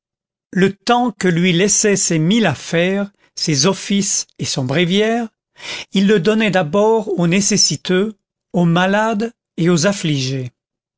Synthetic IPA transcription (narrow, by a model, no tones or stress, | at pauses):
lət̪ɑ̃kəlɥilɛsɛsemilafɛʁ | sezɔfisesɔ̃bʁivjɛʁ | ilːəd̪ɔnɛd̪abɔʁonesesit̪ø | omalad̪ | eozafliʒe